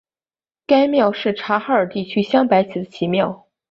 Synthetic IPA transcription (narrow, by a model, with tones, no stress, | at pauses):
ka˥ɪmjɑ˥˧ʊʂɻ̩˥˩ʈ͡ʂʰa˧˥xa˧˥ə˞˨˩t̪i˥˩t͡ɕʰy˥ɕjɑ˥ŋpa˧˥ɪt͡ɕʰi˨˩d̪ə˦t͡ɕʰi˧˥mjɑ˥˩ʊ